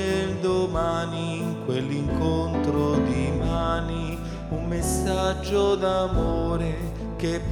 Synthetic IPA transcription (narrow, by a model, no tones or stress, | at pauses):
ed̪omani | ŋkwelːiŋkont̪ɾod̪imaːni | umːesːad͡ʒːod̪amoːɾe | kep